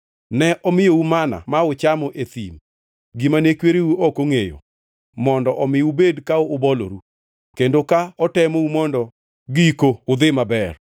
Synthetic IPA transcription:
nɛʔɔmɪjoumana̰maʊt͡ʃamɔʔet̪ḭm | ɡɪmanekweɾeuɔkoŋejo̰ | mɔndɔʔɔmɪubedkaoːbɔlo̰ɾu | kendokaɔtɛmoumɔndɔ | ɡikoʊd̪ɪmabɛr

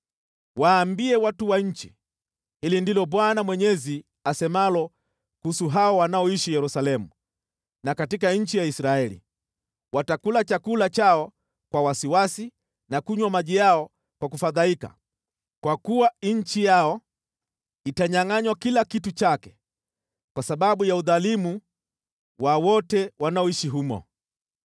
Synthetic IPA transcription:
waːmbiɛwatuwaɲ̩t͡ʃi | hilindilɔɓwanamwɛɲɛzi | asɛmalɔ | kusuɦaɔwanaɔiʃijɛɾusalɛmu | nakatikaɲ̩t͡ʃijaisɾaɛlḭ | watakulat͡ʃakulat͡ʃaɔ | kwawasiwasi | nakuɲwamaʄijaɔ | kwakufaðaika̰ | kwakuwaɲ̩t͡ʃijaɔ | itaɲaŋaɲwakilakitut͡ʃakɛ | kwasaɓaɓujauðalimu | wawɔtɛwanaɔiʃiɦumɔ̰

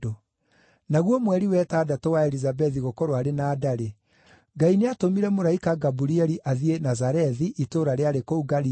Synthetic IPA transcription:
o | naɣwɔmwɛɾiwɛtaːdatɔwaɛɾizabɛðiɣokɔɾwaɾenaːdaɾe | ŋɡaineatomiɾɛmoɾaikaɡabuɾiɛɾiʔaðienazaɾɛðiʔitoːɾaɾeaɾekouɡaɾi

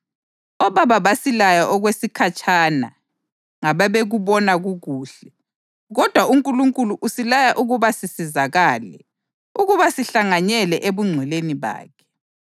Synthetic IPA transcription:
ɔβaβaβasilajaʔɔɣwesikʰat͡ʃʼʰana̰ | ŋaβaβeɣuβɔnaɣuɣuːɬɛ | ɣɔd̥ʱwauŋkʼuluŋkʼuluʔusilajaʔuɣuβasisizaɣaːlɛ̰ | uɣuβasiɬaŋaɲɛlɛʔeβuŋ͡ǀʱwɛleniβa̰ːkʰɛ̥

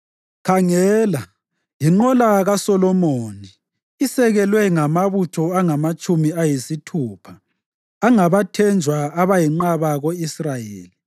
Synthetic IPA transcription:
kʰaŋɛːla | jiŋ͡ǃɔlaɣasɔlɔmoːni | isɛɣɛlwɛŋamaβutʰɔaŋamat͡ʃʼumiajisitʰuːpʰaː | ŋaβatʰɛnd͡ʒʱwaaβajiŋ͡ǃaβaɣoisrajeːli

